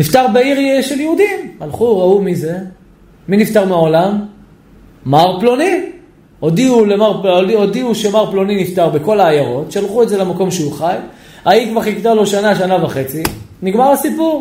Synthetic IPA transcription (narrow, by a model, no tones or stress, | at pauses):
nift̪aʁbeiʁʃe̞ljeud̪imhalχuʁaumize̞ | minift̪aʁmeao̞lamː | aʁploni | od̪iulemaʁpoiod̪iuʃe̞maʁplo̞ninift̪aʁbeko̞laːjaʁo̞tʃealχuetzelemako̞mʃeuχaj | aikvaʁikt̪alo̞ʃanaʃanavaχe̞t͡siniɡmaʁasipuʁ